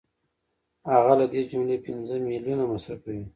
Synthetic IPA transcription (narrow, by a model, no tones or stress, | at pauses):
haɣalad̪ed͡ʒumlepinzəmiljunamasakawi